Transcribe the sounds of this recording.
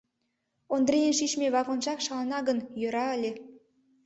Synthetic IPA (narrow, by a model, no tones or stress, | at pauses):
ond̪rejenʃiʃmeβɑkonʒɑkʃɑlnɑɣənjøɾɑəlʲe